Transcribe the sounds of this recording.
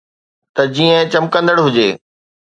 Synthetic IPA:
t̪ɐd͡ʑiːə̃t͡ɕɐmkə̃nd̪əɽɦʊd͡ʑeː

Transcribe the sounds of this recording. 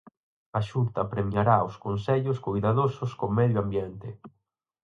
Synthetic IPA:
aʃunt̪ɐpɾemiaɾaoskonseʎʊskojðaðosʊskomɛðjoambjɛnt̪ɪ

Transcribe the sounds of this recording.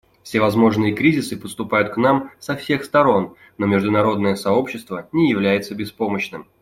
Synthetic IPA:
fsʲɪvɐzmo̞ʐnɨjəkɾʲizʲɪsɨpəst̪ʊpajʊt̪knamsɐfsʲe̞xst̪ɐɾo̞n | no̞mʲɪʐd̪ʊnɐɾo̞d̪nəjəsɐo̞pɕːɪst̪vənʲɪjɪvlʲæjɪt̪səbʲɪspo̞məɕnɨm

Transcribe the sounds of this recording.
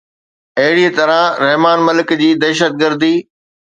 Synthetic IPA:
ɐɦɪɽit̪ɐɾãɾɛɦmaːnmɐlɪkd͡ʑiːd̪ɛːʃət̪̚ɡəɾd̪iː

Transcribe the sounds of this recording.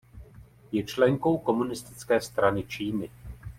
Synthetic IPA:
jɛt͡ʃlɛŋko̞wko̞munɪst̪ɪ̥t͡skɛːst̪ɾanɪt͡ʃiːnɪ

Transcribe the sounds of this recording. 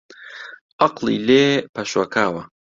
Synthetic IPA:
ɑqlḭleːpaʃwakaːwa

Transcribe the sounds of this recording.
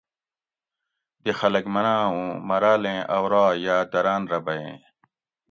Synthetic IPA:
d̪ixɐlɐkmɐnaːũːmɐɾaːlẽːʔɐwɾaːjaːd̪ɐɾaːnɾɐbɐjḛ̃ː

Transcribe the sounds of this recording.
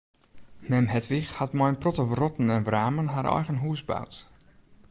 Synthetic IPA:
mɛmɦɛtʋixhatmɔjənprɔtərɔtn̩ɛnvraːmənɦaɾʔɔ̰jɣənɦuəsba̰wt

